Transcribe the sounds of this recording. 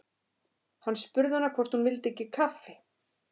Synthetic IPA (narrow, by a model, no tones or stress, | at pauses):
hanːspʏɾðɪhanːakʰvɔr̥t̪hunvɪlt̪ɪecːɪkʰafːɪ